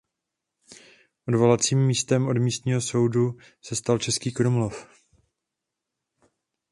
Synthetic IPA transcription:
ʔodvo̞lat͡siːmːiːst̪ɛmo̞dmiːst̪ɲiːɦo̞so̞wdu | sɛst̪alt͡ʃɛskiːkɾumlof

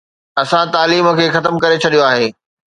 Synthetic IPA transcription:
ɐsãt̪aːliːmə̆kʰeːxɐt̪əmkɐɾet͡ɕʰɐɗijoaːɦeː

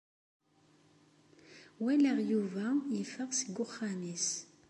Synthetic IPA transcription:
wæləʁjuvæjəfəʁsəɡːʊχːamis

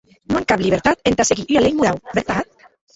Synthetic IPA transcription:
noeŋkaβliɾt̪at̪ent̪asekiyalejmuðawbeɾt̪at̪̚

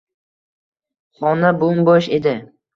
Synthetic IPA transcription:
χɒnabʊmbɒʃe̞d̪ɪ

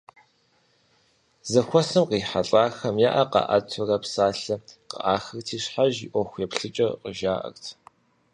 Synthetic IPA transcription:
zɐxʷɔsɐmqiːħaɬʼaːxɐmjaʔɐqɑ̰ʔɐtʰʊrɐpsaːɬɐqə̰ʔaːxɐrtʰiːɕħaʒiʔʷɔxʷepɬɨt͡ʃʼɐqəʒaːʔɐ̰rtʰ

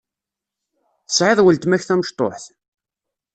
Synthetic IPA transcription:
θə̥sʕɪðˤwəlt̪mæçθæməʃt̪ˤo̰ħθ

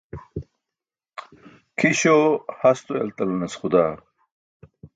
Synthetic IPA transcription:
kʰiɕohɐst̪oḛlt̪ɐlɐnɐsxud̪aː

